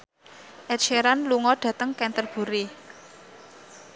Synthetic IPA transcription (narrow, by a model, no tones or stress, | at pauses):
ʔɛtt͡ʃeɾanluŋɔɖ̥ä̤t̪əŋkɛnt̪ərb̥ṳɾe